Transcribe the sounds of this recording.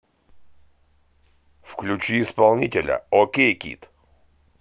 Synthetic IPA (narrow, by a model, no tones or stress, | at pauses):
fklʲʉt͡ɕiɪspalˠnʲitʲɪlʲə̰okʲejkʲḭt̪